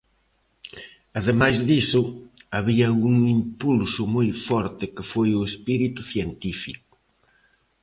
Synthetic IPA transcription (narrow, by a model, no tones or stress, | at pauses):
ɐðemajzðisʊaβiɐːɣuŋimpulsʊmojfɔɾt̪ɪkɪfojʊespiɾit̪uθjent̪ifik̚ʊ̥